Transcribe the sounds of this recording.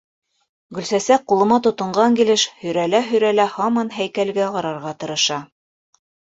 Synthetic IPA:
ɡɵ̆lsæsæk̚qːulˠɤ̆mɑt̪ŏt̪ɤ̆ɴɢɑŋkilɘʃhɵ̆jɾælæɦɵ̆jɾælæhɑmɑnɦæjkælɡæʁɑɾɑɾʁɑt̪ɤ̆ɾɤ̆ʃɑ

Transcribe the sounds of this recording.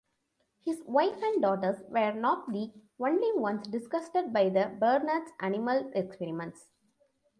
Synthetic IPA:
hɪzʋaɪfæ̃ɳɖ̚ɖɔːʈəɾsʋəːɾnɔːʈ̚liːkʋʌ̃nɖliʋʌ̃nsɖɪsɡʌsʈəɖ̚baɪd̪əbəːɾnəɾɖsʔænɪməlekspɛːɾimə̃nʈs

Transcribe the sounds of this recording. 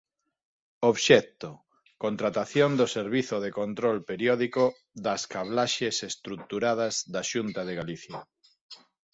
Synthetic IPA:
oβʃɛkt̪o | kont̪ɾat̪aθjond̪oseɾβiθoðekont̪ɾolpeɾjɔðiko | ðɐskaβlaʃesest̪ɾuk̚t̪uɾað̞azðaʃunt̪aðeɣaliθja

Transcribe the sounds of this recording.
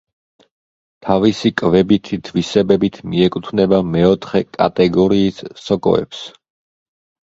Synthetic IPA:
t̪ʰavisikʼvɛbit̪ʰit̪ʰvisɛbɛbit̪ʰmiɛkʼut̪ʰvnɛbamɛɔt̪ʰχɛkʼa̰t̪ʼɛɡɔɾiːsːɔkʼɔ̰ɛ̰ps

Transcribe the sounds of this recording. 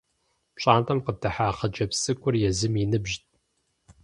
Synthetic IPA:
ɕʼaːntʰʼɐmqətʰɐħaːχɐd͡ʒɐpsɨkʷʼʊrjɛzɨminɨbʒt̚ʰʼ

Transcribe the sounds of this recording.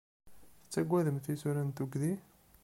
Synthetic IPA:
θət͡sːæɡʷːæðəmt̪isuɾænt̪uɡði

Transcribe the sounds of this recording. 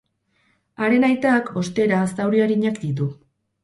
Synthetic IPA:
aɾe̞najt̪aːkʰo̞st̪e̞ɾaːst̪awɾiaɾiɲakd̪it̪̬u

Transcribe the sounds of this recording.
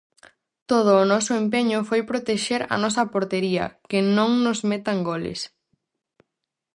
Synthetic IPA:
t̪oð̞ʊːnɔsʊempeɲʊfojpɾot̪eʃeɾɐ̰nɔsɐpoɾt̪eɾiɐ̰kɪnõŋnʊzmet̪ɐŋɡolɪ̰s

